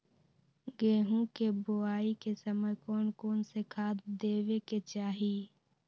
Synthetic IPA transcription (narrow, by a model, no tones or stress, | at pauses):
ɡeːɦũkeboaːikesəməjkoːnkoːnsekʰaːd̪d̪eːweket͡ʃaːɦi